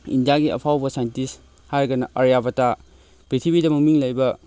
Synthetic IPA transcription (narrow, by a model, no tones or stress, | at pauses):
ḭndijaɡiɐ̰pʰawbɐsajntis | haɾɡɐnɐʔɐɾjabɐta | pɾitʰibidɐmɐmiŋlɐjbɐ